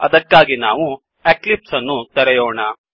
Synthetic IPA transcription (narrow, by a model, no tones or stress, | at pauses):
ɐ̰d̪ɐkːaːɡinaːʋu | eklipsɐnːut̪ɐɾɛjoːɳɐ